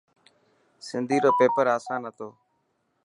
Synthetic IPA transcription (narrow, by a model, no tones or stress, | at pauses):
sɪnd̪ʱiːɾoːpeːpəɾaːsãːnɦət̪ʰoː